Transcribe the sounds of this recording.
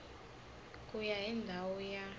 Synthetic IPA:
kʼujaɦindʱawɔja

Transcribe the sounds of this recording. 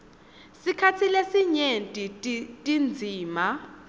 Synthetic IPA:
sikʰatʰilesiɲentʼitʼtʼind͡zʱiːma

